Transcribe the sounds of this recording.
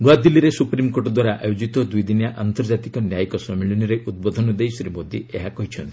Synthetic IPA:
ɡwad̪ilːiɾesupɾimkoʈɔd̪waɾaʔajod͡ʒit̪ɔd̪ujd̪injaʔant̪ɔɾd͡ʒat̪ikɔnjajkɔsɔmiɭɔniɾeʔud̪̚bɔd̪ʱɔnɔd̪ejsɾimod̪ʱiʔeɦakɔɦit͡ʃʰɔnt̪i̥

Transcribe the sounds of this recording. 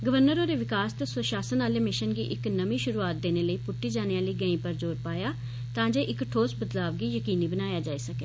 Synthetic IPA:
ɡəʋəɾnəɾõːɾeːʋɪkaːst̪əsəʃaːsənaːleːmɪʃənɡḭːʔɪknəmĩːʃʊɾuːaːt̪̚d̪eːneːləiːpʊʈːiːd͡ʒaːneãːləiːɡə̃ĩːpəɾd͡ʒoːɾpaːjaː | t̪ãːd͡ʒeːʔɪkʈʰoːsbəd̪laːʋɡiːjəkiːniːbənaːjaːd͡ʒaːiːsəkeː

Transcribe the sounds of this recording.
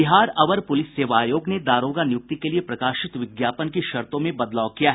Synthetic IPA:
bɪɦaːɾɐʋəɾpʊlɪsːeːʋaːjoːɡned̪aːɾoːɡanjʊk̚t̪ikeliepɾɐkaːʃɪt̪ʋɪɡjaːpənkiʃɐɾt̪õmẽbɐd̪laːkijaɦ

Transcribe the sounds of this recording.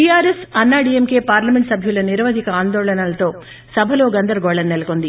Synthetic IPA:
ʈijaːɾesɐnːaːɖiemke̞ːpaːɾlɐmeɳʈsɐbʱjulɐniɾʋɐd̪ʱikɐaːnd̪ɔːɭɐnɐlɐt̪o̞ː | sɐbʱɐlo̞ːɡɐnd̪ɐɾɐɡɔːɭɐnːelɐkond̪i

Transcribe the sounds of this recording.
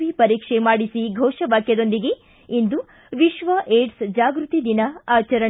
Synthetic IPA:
ʋipɐɾiːkʂemaːɽisiɡʱɔːʃɐbaːkjɐd̪o̞nd̪iɡe̞ | ind̪u | ʋiʃʋɐʔeːʈsd͡ʒaːɡɾut̪id̪inɐaːt͡ʃɐɾɐ

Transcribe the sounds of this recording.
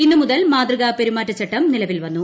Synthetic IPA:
inːɨmuðɐlmaːd̪rɨɣape̞ɾumaːtːɐt͡ɕːɐʈːɐmnilɐʋilʋɐnːu

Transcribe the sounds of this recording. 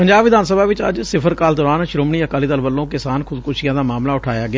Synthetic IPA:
pəɲd͡ʒaːbʋɪd̪aːnsəbʱaːʋɪt͡ʃə̰d͡ʒsɪpʰəɾkaːld̪ɔːɾaːnʃɾoːmɳiːəkaːliːd̪əlʋəlːõːkɪsaːnkʰʊd̪kʊʃijãːd̪aːmaːmlaːʊʈʰaːjaːɡɪa

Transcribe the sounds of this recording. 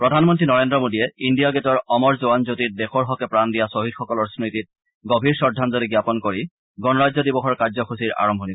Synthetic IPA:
pɹɔdʱanmɔntɹinɔɹendɹɔmodiɛindijaɡetɔɹɔmɔɹzoanzotit̚dɛxɔɹɦɔkɛpɹandijasoɦidxɔkɔlɔɹsɹitit̚ | ɡobʱiɹsɔɹdʱːanzɔliɡjapɔnkoɹi | ɡɔnɔɹazɔdibɔxɔɹkaɹzɔxusiɹa̰ɹɔmbʱɔni

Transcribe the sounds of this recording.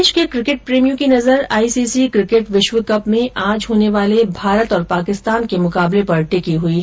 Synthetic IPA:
d͡ʒkekɾɪkɪʈ̚pɾeːmijũkinɐzəɾa̰ːiːsiːsikɾɪkɪʈʋɪʃʋəkɐpmẽʔãːd͡ʒɦoːneʋaːlebʱaːɾət̪ɔːɾpaːkɪst̪aːnkemʊkaːblepɐɾʈɪkiɦui

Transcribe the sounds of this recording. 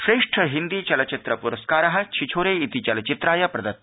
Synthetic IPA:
ʃɾeːʂʈʰəɦind̪iːt͡ʃɐlɐt͡ʃit̪ɾɐpuɾɐskaːɾɐɦɐ̆t͡ʃʰit͡ʃʰoːɾeːit̪it͡ʃɐlɐt͡ʃit̪ɾaːjɐpɾɐd̪ɐt̪̚

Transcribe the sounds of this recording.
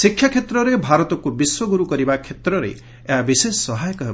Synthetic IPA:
sikʰːjakʰet̪ɾɔɾebʱaɾɔt̪ɔkubiswɔɡuɾukɔɾibakʰet̪ɾɔɾḛ | eɦabisessɔɦajɔkɔɦ

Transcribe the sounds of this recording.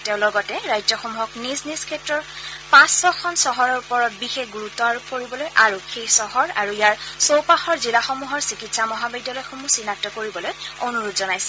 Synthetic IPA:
teʊ̃lɔɡɔtɛɹajzɔxomuɦɔknizniskʰɛtɹɔɹpãsːɔxʰɔnsɔɦɔɹɔɹupɔɹɔt̚bixexɡuɹutːɔaɹupoɹibɔlojʔaɹuxejsɔɦɔɹa̰ɹuijaɹsowpaxɔɹzilaxomuɦɔɹsikitsamɔɦabidɔlɔjxomusinak̚tɔkoɹibɔlojonuɹudzɔnajsɛ̥

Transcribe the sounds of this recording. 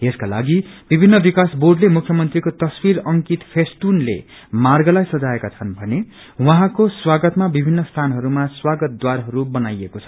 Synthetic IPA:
eskala̰ɡibibʱinːʌbikasborɖlemukʰjʌmʌnt̪rikot̪ʌswiɾʌŋkit̪pʰest̪unlḛ | marɡʌlajsʌd͡zaekat͡sʰʌnbʱʌne | wʌɦãkoswaɡʌt̪mabibʱinːʌst̪ʰanɦʌɾumaswaɡʌt̪̚d̪waɾɦʌɾubʌnajekot͡sʰʌ̥

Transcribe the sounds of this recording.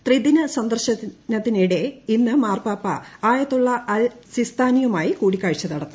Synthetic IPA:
t̪rid̪inɐsɐnd̪ɐrɕɐnɐt̪ːiniɽeinːɨmaːrpaːpːɐ̰aːjɐt̪ːuɭːɐɐlsist̪ʰaːnijɐmaːjikuːɽikʲːaːɻit͡ɕːɐt̪ɐɽɐt̪ːu̥

